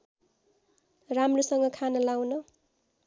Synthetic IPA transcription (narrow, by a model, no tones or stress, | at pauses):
ramrosʌŋɡʌkʰanʌlawnʌ